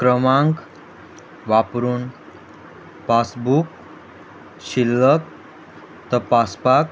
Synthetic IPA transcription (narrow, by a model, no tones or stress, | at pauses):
kɾəmaŋk | ʋapɾuːn | pasbuk | ɕilːək̚ | t̪əpaspak